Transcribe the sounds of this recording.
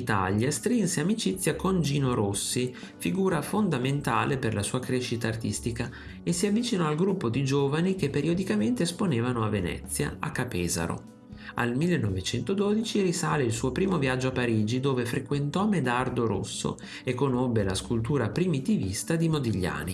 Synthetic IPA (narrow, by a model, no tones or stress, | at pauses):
it̪a̰ljast̪ɾinseamit͡ʃit̪sːjakond͡ʒiːnoɾosːi | fiɡuːɾafond̪ament̪aːleperlasuːakɾeːʃit̪aːrt̪ist̪ika | esiavːit͡ʃinɔalɡɾupːod̪id͡ʒoːvanik̟epːeɾiod̪ikament̪esponeːvanoavːenɛ̰t̪sːja̰a̰kːapɛːza̰ɾo̰ | a̰lmilːenːɔvet͡ʃɛnt̪od̪oːd̪it͡ʃirisaːleilsuːopɾiːmovjad͡ʒːoapːaɾiːd͡ʒid̪oːvefɾekwent̪ɔmed̪ard̪oɾo̰sːo̰ | ekːonobːelaskult̪uːɾapɾimit̪ivist̪ad̪imod̪iʎːa̰ːni